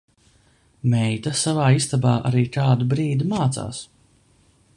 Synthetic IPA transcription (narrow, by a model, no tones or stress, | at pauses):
mɛjt̪ɐsavaːist̪abaːʔa̰ɾiːk̪aːd̪ubɾiːd̪imaːt̪sa̰ːs